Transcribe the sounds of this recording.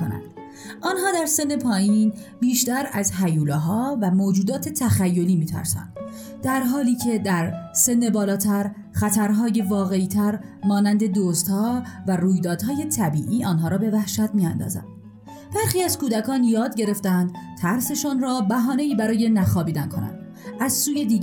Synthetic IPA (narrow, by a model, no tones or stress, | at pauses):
onæ̰nd̪̥ | ʔɒːnɦɒːd̪æɾse̞nːe̞pʰɒːjin | biːʃt̪æɾæzɦæjuːleɦɒːvæmoːd͡ʒuːd̪ɒːt̪ʰe̞t̪ʰæxæjːo̞liːmiːt̪ʰæ̰ɾsæ̰nd̪̥ | d̪æɾɦɒːliːcʰe̞d̪æɾse̞nːe̞bɒːlɒːt̪ʰæɾ | χæt̪ʰæɾɦɒːje̞vɒːɣe̞iːt̪ʰæɾmɒːnænd̪e̞d̪oːst̪hɒːværuːjd̪ɒːd̪̥hɒːje̞t̪ʰæbiːʔiːʔɒːnɦɒːɾɒːbe̞væhʃæt̪miːænd̪ɒ̰ːzæ̰nd̥̪ | b̥æɾxiːæz̥kuːd̪ækʰɒːnjɒːd̪ɟe̞ɾe̞ft̪ænd̪̥t̪ʰæɾse̞ʃɔːnɾɒːbæɦɒːne̞iːbæɾɒːje̞næxɒːbiːd̪ænkʰo̞̰næ̰nd̪̥ | ʔæzsuːjed̪iː